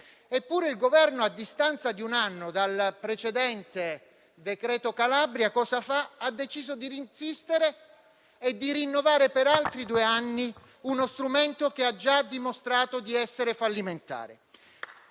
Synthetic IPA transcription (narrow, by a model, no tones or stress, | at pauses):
epːuːɾeilɡovɛrnoad̪ːist̪ant̪sad̪iunanːod̪alpɾet͡ʃed̪ɛnt̪e | d̪ekɾɛːt̪okalabɾjakɔːsafaad̪ːet͡ʃiːzod̪iɾinsist̪eɾeː | d̪ːiɾinːovaːɾepeɾalt̪ɾid̪uːeanːi | unost̪ɾument̪okead͡ʒad̪imost̪ɾaːt̪od̪iɛsːeɾefalːiment̪a̰ːɾe